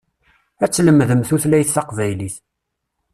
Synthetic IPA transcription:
æt͡sːləmːðəmθuθlæjəθːɑqvæjliθ

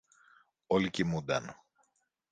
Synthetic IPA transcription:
olicimud̪ɐn

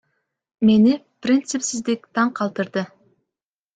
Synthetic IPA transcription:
me̞nɪprʲint̪sɨpsɪzd̪ɪk̚ʲt̪ʰɑɴqʰɑlˠt̪əɾd̪ə

